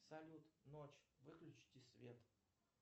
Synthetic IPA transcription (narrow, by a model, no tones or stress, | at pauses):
sɐlʲut̪not͡ɕvɨklʲʉt͡ɕtʲɪsvʲet̪